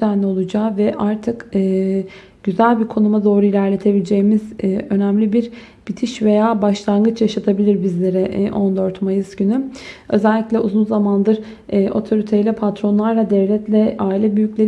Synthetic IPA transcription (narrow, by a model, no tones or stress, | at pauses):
ænlʲo̞lˠud͡ʒaːvɛʔaɾt̪ʰɯkɯː | ɟ̥yzælʲbiɾkʰo̞numad̪o̞ːɾuilʲæɾlʲe̞t̪ʰe̞bilʲed͡ʒe̞jmizø̞næmlʲibiɾ | b̥it̪ʰiʃve̞jaːbaʃlˠanɡɯt͡ʃjaʃat̪ʰabilʲiɾbizlʲe̞ɾɛʔo̞nd̪øɾt̪majɯsɟynyø̞zɛlʲːiclʲɛʔuzunzamand̪ɯɾː | ʔo̞̰t̪ʰo̞ɾit̪ʰe̞jilʲɛpʰat̪ɾo̞nlˠaɾlˠad̪ɛvlʲɛt̪lʲɛaːilʲɛbyjycʲlʲeɾ